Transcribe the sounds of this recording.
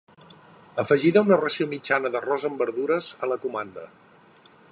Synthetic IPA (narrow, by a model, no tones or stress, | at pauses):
əfəʒiðəunərəsiomid͡ʒanəðərɔzəmbəɾðuɾəzələkumand̪ə̰